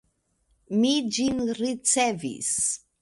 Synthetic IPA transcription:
mid͡ʒinɾit͡sevḭs

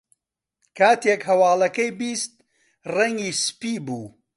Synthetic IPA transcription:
kʰaːt̪ekhɐwaːlˠɐkɐjbiːst̪̚ | rɐŋɡiːspiːbuː

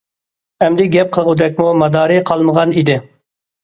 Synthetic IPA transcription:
ɛmd̪ɪɡʲɛp̚qʰəlˠʁud̪ɛk̬̚ʲmumɑd̪ɑːɾiqʰɑlˠməʁɑnid̪ɪ

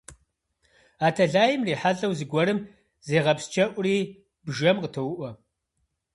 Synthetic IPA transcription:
aːtʰɐɮaːjɪmriːħaɮɐwzɨɡʷɔɾɨm | zeːʁɐpst͡ʃʰɐʔʷriː | bʒɐmqətʰɐwʊʔʷɔ

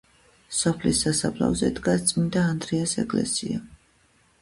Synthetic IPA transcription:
sɔpʰlisasablˠa̰vzɛd̪ɡast̪sʼmind̪aːnd̪ɾiasɛkʼlɛ̰sia

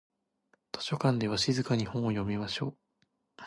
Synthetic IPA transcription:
t̪ʰo̥ɕo̞kãnd̪e̞βaɕizɨkaɲ̟ihõɰ̃ojo̞mʲimaɕo̞ː

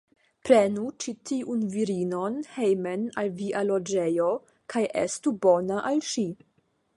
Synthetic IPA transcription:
pɾenut͡ʃitiʔunviɾino̞nhejmenalviʔalod͡ʒe̞jo | kʰajʔḛstubo̞naʔalʃi

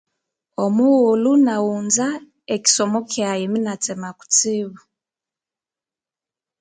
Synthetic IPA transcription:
ɔmuɣulunaunza | eki̥sɔmɔkʰɛajeminat͡sɛmaku̥t͡siβu

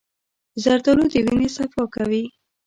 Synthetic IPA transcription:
zaɾt̪alod̪əwinesafɑkawi

